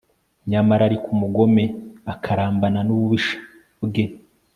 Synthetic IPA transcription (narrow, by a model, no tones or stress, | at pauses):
ɲamaɾaɾikumuɡo̞meakʰaɾaːmbananuβuβiʃḁ | bɡe̞